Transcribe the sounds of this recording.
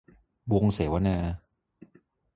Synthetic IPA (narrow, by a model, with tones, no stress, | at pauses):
bo˧ŋse˨˩˦wa˦nɛː˧